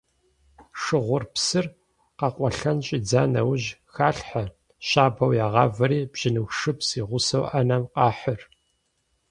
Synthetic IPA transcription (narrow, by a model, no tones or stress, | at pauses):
ʂɨʁʷʊrpsɨr | qɑqʷʼɔɬɐnɕʼiːd͡zaːnɐ̰wʑxaːɬħa | ɕaːbɐwjaːʁɑːvɐɾiːbʒ̥ɪnɨxʂɨpʰsiːʁʷʊsɐwʔɐnɐmqɑːħər